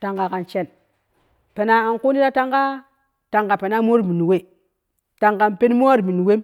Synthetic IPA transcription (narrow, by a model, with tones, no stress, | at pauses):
ta˨ŋɡa˨ka˨nt͡ʃe˦˨n | pe˨na˨a˨nko˦ni˦ɾa˦ta˦ŋɡa˦ | ta˨ŋɡa˨pe˨na˦mo˦ɾmi˨ni˨we˦˨ | ta˨ŋɡa˨mpe˦n˦mo˦a˦ɾmi˨ni˨we˦m